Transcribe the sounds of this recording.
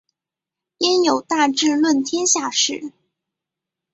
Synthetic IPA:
jɛ˥njo˨˩ʊt̪a˥˧ʈ͡ʂɻ̩˥˧lwə˥˩nt̪ʰjɛ˥nɕja˥˧ʂɻ̩˥˩

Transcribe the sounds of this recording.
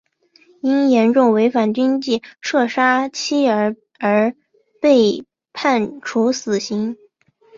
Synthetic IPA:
i˥njɛ˧˥nʈ͡ʂʊ˥˩ŋwe˧˥ɪfa˨˩nt͡ɕy˥nt͡ɕi˥˩ʂɤ˥˩ʂa˥t͡ɕʰi˥ə˧˥ | ə˞˧˥ | pe˥˧ɪ | pʰa˥˩nʈ͡ʂʰu˧˥sɹ̩˨˩ɕi˧˥ŋ

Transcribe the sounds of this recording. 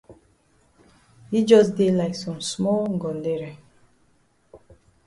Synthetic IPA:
hi˦d͡ʒɔ˦s̬de˦la˨ɪksɔ̃˨msmɔ˦lɡɔ˨nde˦ɾe˨

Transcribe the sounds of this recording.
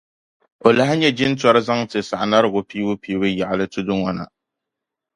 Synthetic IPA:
o˨la˨ha˦ɲɛ˦d͡ʒɪ˦n˦tɔ˦ɾɨ˦za˦ŋtɨ˨sa˨ʔa˨na˦ɾɨ˨ɡʊ˨piː˦wʊ˦piː˦wɨ˦ja˨ʔa˨lɨ˦tʊ˦dʊ˦ŋɔ˨na̰˨

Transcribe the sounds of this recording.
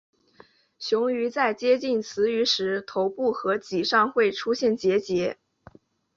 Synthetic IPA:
ɕjʊ˧˥ŋy˧˥t͡sa˥˩ɪt͡ɕjɛ˥t͡ɕi˥˩nt͡sʰɹ̩˧˥y˧˥ʂɻ̩˧˥t̪ʰo˧˥ʊpu˥˩xɤ˧˥t͡ɕi˨˩ʂɑ˥˧ŋxwe˥˩ɪʈ͡ʂʰu˥ɕjɛ˥˩nt͡ɕjɛ˧˥t͡ɕjɛ˧˥

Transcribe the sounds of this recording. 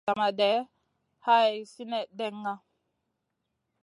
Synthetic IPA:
a˨ma˨dɛ˨˦ | ha˦ɛ˨si˦nɛ˦˨dɛ˦˨ŋːa˦

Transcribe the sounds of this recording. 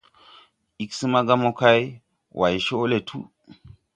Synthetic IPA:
i˨˦ksɨ˦ma˦ɡa˦mo˦ka˦j | wʔa˨jʃo˦le˨tʰu˦

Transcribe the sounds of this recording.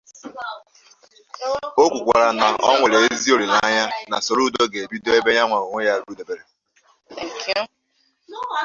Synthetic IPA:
o˦kʷu˨kʷa̰˨ɾa˨na˨ʔɔ̰˦ŋʷe˨ɾe˨e˦zi˦o˨ɾi˨la˦ɲa˦na̰˨so˨ɾu˦do˦ɡe˨bi˦do˦e˦be˦ɲa˦ŋʷa˨ɾo˨ŋʷe˦ja˦ɾu˦de˨be˨ɾe˨ | k

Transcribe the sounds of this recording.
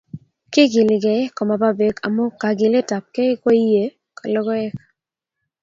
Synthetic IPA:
kɪ˦ɡɪ˨lɪ˨ɡɛ˨ɪ˦kɔ˨ma˨ba˦be˨kʰa̰˨mo˦ka˨ɡɪ˨le˦ta˨p̚kɛ˦ko˦i˦je˨ | ka˨lɔ˦ɡɔ˦ɛ˦ka

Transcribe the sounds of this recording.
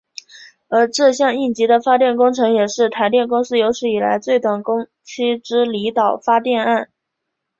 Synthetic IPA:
ə˞˧˥ʈ͡ʂɤ˥˧ɕjɑ˥˧ŋi˥˩nt͡ɕi˧˥d̪ə˧fa˥t̪jɛ˥˩nkʊ˥ŋʈ͡ʂʰɤ˧˥ŋjɛ˨˩ʂɻ̩˥˩t̪ʰa˧˥ɪt̪jɛ˥˩nkʊ˥ŋsɹ̩˥˩jo˧˥ʊʂɻ̩˥˩i˨˩la̰˧˥ɪt͡swe˥˧ɪt̪wa˨˩nkʊ˥ŋ | t͡ɕʰi˥ʈ͡ʂɻ̩˥li˧˥t̪ɑ˨˩ʊfa˥t̪jɛ˥˧na˥˩n

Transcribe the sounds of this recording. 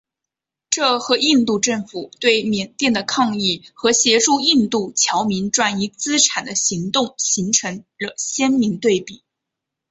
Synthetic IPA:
ʈ͡ʂɤ˥˩xɤ˧˥i˥˧nt̪u˥˧ʈ͡ʂɤ˥˩ŋfu˨˩t̪we˥˩ɪmjɛ˨˩nt̪jɛ˥˩nd̪ə˩kʰɑ˥˧ŋi˥˩xɤ˧˥ɕjɛ˧˥ʈ͡ʂu˥˧i˥˧nt̪u˥˩t͡ɕʰjɑ˧˥ʊmi˧˥nʈ͡ʂwa˥˩ni˧˥t͡sɹ̩˥ʈ͡ʂʰa˨˩nd̪ə˦ɕi˧˥ŋt̪ʊ˥˩ŋɕi˧˥ŋʈ͡ʂʰɤ˧˥ŋɻɤ˧˩ɕjɛ˥nmi˧˥ŋt̪we˥˩ɪpi˨˩˦

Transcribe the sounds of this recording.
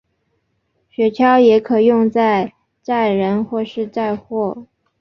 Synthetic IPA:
ɕɥɛ˧˥t͡ɕʰjɑ˥ʊjɛ˧˥kʰɤ˨˩jʊ˥˧ŋt͡sa˥˧ɪ | t͡sa˥˩ɪɻə˧˥nxwɔ˥˧ʂɻ̩˥˧t͡sa˥˧ɪxwɔ˥˩

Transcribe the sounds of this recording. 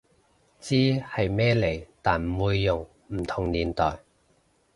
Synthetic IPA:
t͡siː˥hɐ˨jmɛː˥le˨˩jt̪aː˨nm̩˨˩wuː˨˧jːʊ˨˩ŋ | m̩˨˩t̪ʰʊ˨˩ŋliː˨˩nt̪ɔː˨˩j

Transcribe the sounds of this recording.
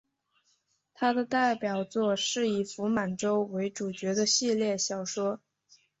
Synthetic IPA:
t̪ʰa˥d̪ə˨t̪a˥˩ɪpjɑ˨˩ʊt͡swɔ˥˧ʂɻ̩˥˩i˨˩fu˧˥ma˨˩nʈ͡ʂo˥ʊwe˧˥ɪʈ͡ʂu˨˩t͡ɕɥɛ˧˥d̪ə˧ɕi˥˧ljɛ˥˩ɕjɑ˨˩ʊʂwɔ˥

